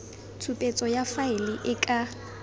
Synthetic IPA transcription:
t͡sʰupʼet͡sʼɔjafaɪlɪʔɪkʼa

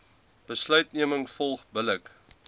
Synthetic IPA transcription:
b̥əslœɥtniəməŋfɔlˠχbələk

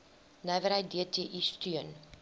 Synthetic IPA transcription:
næjvəɾɦəjt̚diətiəʔistyən

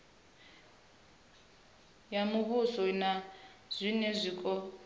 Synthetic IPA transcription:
jamuβusɔnaz̥ʷinɛzʷikʼɔ

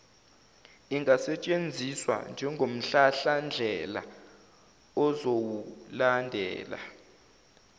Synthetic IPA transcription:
iŋʱasɛt͡ʃʼend͡zʱiswa̰nd͡ʒʱɛŋɡʱom̩ɬaɬand͡ɮʱɛla̰ | ɔzowulandʱɛ̰ːla̰

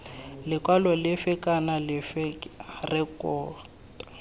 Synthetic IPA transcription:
lɪkwalɔlɪfɪkanalɪfɛrɪkʼɔːt | ḁ

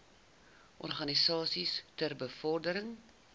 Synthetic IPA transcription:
ʔɔ̰rχɐnisɑːsistərbəfɔrdəɾəŋ

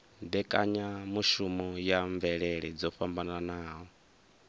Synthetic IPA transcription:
d̪ɛkʼaɲamuʃumɔjaɱvɛɺɛɺɛd͡zɔɸambananaːɦɔ

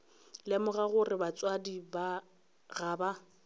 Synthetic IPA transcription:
lɪmʊɣaɣʊrɪbat͡sʼwadiba | ɣaːba

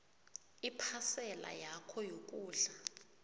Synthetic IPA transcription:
ipʰasɛla̰jakʰɔjok̬ʼuːɮa

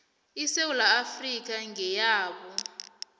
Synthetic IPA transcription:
isewulaːfrik̬aŋɛjaːɓɔ

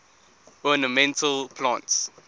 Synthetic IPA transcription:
ɔnəmɛ̃ntʰəlpʰlãnts

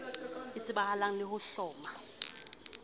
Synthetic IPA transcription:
it͡sʼɪɓahalaŋ̩lɪhʊɬɔːma

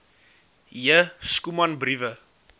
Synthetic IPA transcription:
jəskumɐnbrivə

